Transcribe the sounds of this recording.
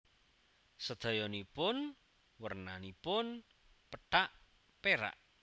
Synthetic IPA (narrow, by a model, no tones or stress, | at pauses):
səd̪̥ɔ̤jɔnipʊn | wərnanipʊn | pəɖ̥aʔ | peɾa̰ʔ